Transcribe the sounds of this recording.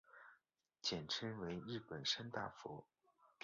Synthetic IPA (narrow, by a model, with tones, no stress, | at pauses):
t͡ɕjɛ˨˩nʈ͡ʂʰə˥nwe˧˥ɪɻɻ̩˥˩pə˨˩nʂa˥nt̪a̰˥˩fɔ̰˧˥ | k